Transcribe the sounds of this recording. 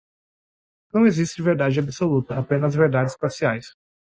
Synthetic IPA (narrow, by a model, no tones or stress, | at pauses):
nɐ̃w̃ezist͡ʃɪveɾd̪ad͡ʒɪabisolut̪ɐapẽnɐzveɾd̪ad͡ʒɪspasiajs